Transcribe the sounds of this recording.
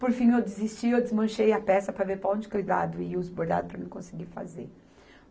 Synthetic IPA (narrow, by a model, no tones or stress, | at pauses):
poɾfĩewd̪ɪzist͡ʃiewd̪ɪzmɐ̃ʃejɐpɛsɐpɾɐveɾpɾɐõd͡ʒɪkujd̪a̰d̪ʊɪʊzboɾd̪a̰d̪ʊpɾɐnẽkõsɪɡiɾfa̰zeɾ